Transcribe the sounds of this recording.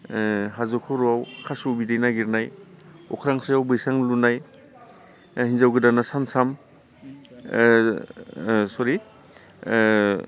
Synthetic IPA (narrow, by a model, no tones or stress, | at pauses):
ɦazɔkʰuɾuawkʰasubidejnaɡiɾnajɔ̰kʰɾaŋsajawbɯjsaŋlunaj | hinzawɡɯdanasansʰam | sɔɾi